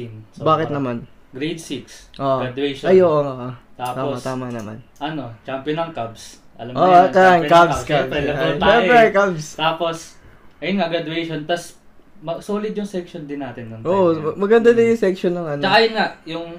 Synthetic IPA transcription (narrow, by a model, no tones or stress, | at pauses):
nsbaːkɪtt̪nɐman | ɡɾejd̪̚siksʔoːʔɡɾad̪ʊwɛʃʔɐjoʔoŋoʔt̪aːt̪aːomɐt̪aːmɐnɐma̰nʔɐnot͡ʃampjonɐŋkɐbs | ʔɐ̰lɐmʔot̪aankabskabɛlɐat̪aʃɛmpɾɛkabst̪aːpos | ʔɐjʊnŋaɡɾɐd̪ʊɛjʃont̪ɐs | mɐsoːlɪd̪̚jʊŋsɛkʃond̪ɪnːaːt̪ɪnːɐŋtoːʔoɐmɐɡɐnd̪anɐjʊŋsɛk̚ʃonːɐŋʔɐnt͡ʃɐkajʊnŋaʔjʊŋ